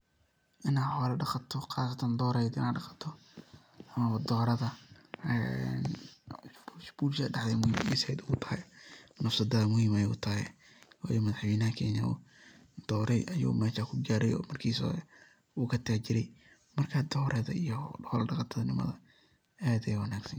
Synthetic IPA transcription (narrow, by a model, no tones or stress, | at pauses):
ʔɪnaːhɔlɛɖɑqɑt̪ʰɔqʰɑːsɐt̪ʰɐnd̪ɔːɾɛjd̪ɪnaːɖɑqɑ̥t̪ʰɔ | ɐmɐd̪ɔːɾɐðɐɛn | buʃb̥uːlʃɛɖɑʕd̪ɛmʊhimḭsɛd̪ʊʊt̪ʰɐhɛnɐfsɐd̪ɐɐmʊhiːmɐjɛʊt̪ʰɐhɛ̰ | hɔːjɔmɐðɑħwɛjnɐhɐkʰɛːɲɐ̰ɔ̰ | d̪̥ɔːɾɛjʔɐjṵːmɛːʃaːkʰʊɡaːɾɛjɔ̰ːmɐrkʰiːs | uːkʰɐt̪ʰaːt͡ʃɪɾɛj | mɐrkʰaːd̪ɔːɾɛðɐijɔɔlɛ̰ɖɑqɑt̪ʰɐðnɪmɐ̰ðɐ | ɛd̪ɛjwɐnaːɡsɐn